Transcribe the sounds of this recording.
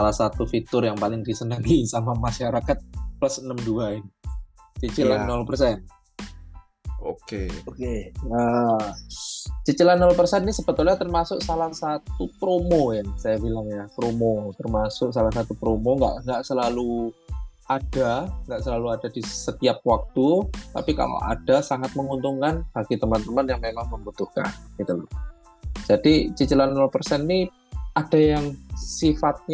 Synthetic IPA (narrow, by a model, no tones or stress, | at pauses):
salahsat̪ufit̪ʊrjaŋpalɪŋdisənəŋisamamaʃaɾakat̪̚plasənəmduaɪn | t͡ʃət͡ʃilanːɔlpərsɛn | okeokeə | t͡ʃət͡ʃilanːɔlpərsɛnːisəb̥ət̪ʊlɲat̪ərmasʊksalasat̪upɾomojansajabilaŋjapɾomot̪ərmasʊksalahsat̪upɾomoŋɡa̰ʔŋɡaʔsəlalu | ad̥aŋɡaʔsəlaluadadisət̪iap̚wak̚t̪ut̪a̰pika̰lo̰ʔa̰d̥asaŋat̪̚məŋunt̪uŋkanb̥aɡ̥it̪əmant̪əmanjaŋmemaŋməmbut̪uhka̰nɡ̥it̪ulɔ | d͡ʒ̥adit͡ʃət͡ʃəlanːɔlpərsɛnni | ad̥a̤jaŋsifat̪̚ɲa